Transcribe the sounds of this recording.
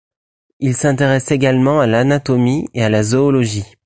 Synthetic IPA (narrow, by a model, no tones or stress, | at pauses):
ilsɛ̃t̪eʁɛseɡalmɑ̃alanat̪ɔmiealazɔːlɔʒi